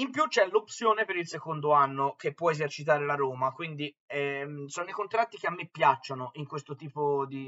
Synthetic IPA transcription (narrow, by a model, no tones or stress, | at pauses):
impjut͡ʃːɛlopsjoːnepeɾilsekond̪oanːokepːwɔezert͡ʃit̪aːɾelaɾoːmakwind̪i | ɛsoːnoikont̪ɾat̪ːikeamːepːjat͡ʃːonoʔiŋkwest̪ot̪iːpod̪i